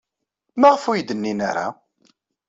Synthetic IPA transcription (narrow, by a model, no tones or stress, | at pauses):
maʁəfujd̪ənːina̰ɾa̰